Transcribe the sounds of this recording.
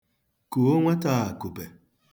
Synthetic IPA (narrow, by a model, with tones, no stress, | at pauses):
ku˨o˦ŋʷe˦ta˦˨a˨ku˨be˨